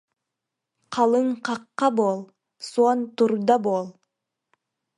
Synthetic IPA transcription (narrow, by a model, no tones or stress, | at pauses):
qʰɑlˠɯɴqɑqːɑbolˠ | suont̪uɾd̪ɑboːlˠ